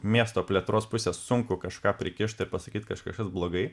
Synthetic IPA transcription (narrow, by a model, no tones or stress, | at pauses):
mʲiɛst̪oːpʲlʲeɛt̪ɾoːspʊsʲeːssʊŋkʊkɐʃkɑːpʲɾʲɪkʲɪʃt̪ɪɾpɐsɐkʲiːt̪kɐʃkɐʃkɐsblˠoːɡɐɪ